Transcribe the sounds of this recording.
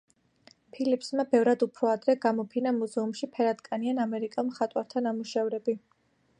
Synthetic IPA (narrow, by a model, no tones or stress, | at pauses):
pʰilipʰsmabɛvɾad̪upʰɾɔad̪ɾɛɡamɔpʰinamuzɛumʃipʰɛɾad̪kʼanianamɛɾikʼamχat̪ʼwaɾt̪ʰanamuʃɛvɾɛbi